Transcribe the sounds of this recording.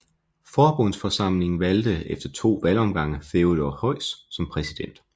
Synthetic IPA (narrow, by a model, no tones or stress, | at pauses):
fɒːb̥ɔn̰sfɒ̽sɑ̈m̰le̝ŋn̩ʋæld̥əefd̥ɐt͡sʰo̝̰ːʋælɒ̽mɡ̥ɑ̈ŋ̰əfeodɒhɒ̽ɪ̰sːɒ̽mpʰʁɛsid̥en̰d̥